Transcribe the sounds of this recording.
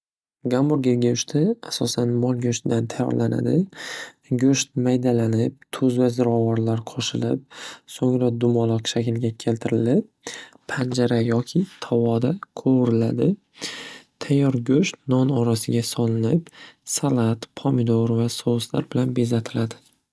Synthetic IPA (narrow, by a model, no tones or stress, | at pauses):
ɡamʊɾɡʲeɡʲaʊʃt̪ʰɪasɒsanmɒlˠɡʲɵʃt̪d̪ant̪ʰajːɒ̰ɾlʔana̰d̪ɪ | ɡʲɵʃt̪̚majd̪alanɪp̚t̪ʰɵzvazɪɾɒvɒɾlaɾqʰɒʃɪlɪp̚soŋɾad̪ʊmɒlˠɨqʃakʲɪlɡʲakʲʰe̞lt̪ʰɪɾɪlɪp̚ːʰ | and͡ʒaɾajɒkʲʰɪt̪ʰɒvɒd̪aqʰoɾɪla̰d̪ɪ | t̪ʰajːɒɾɡʲɵʃt̪nɒnɒɾasɪɡʲasɒlˠɪnɪpsalˠat̪pʰɒmɪd̪oɾvasɒwsla̰ɾbɪlanbe̞zat̪ʰɪlad̪ɪ